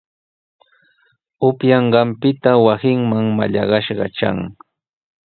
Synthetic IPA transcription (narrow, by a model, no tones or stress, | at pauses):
ʊpjɑɴɢɑmpɪt̪awasɪŋmaŋma̰ʎɑ̰ɢɑʃɢɑ̰t͡ʃa̰ŋ